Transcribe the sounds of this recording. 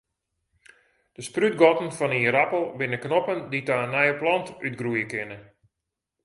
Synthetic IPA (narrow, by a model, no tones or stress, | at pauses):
d̥əspryt̚ɡɔtən̩fɔniəɾapəlˠbɪnəknopənditaːnɛjəplɔntyt̚ɡrujəkɪnə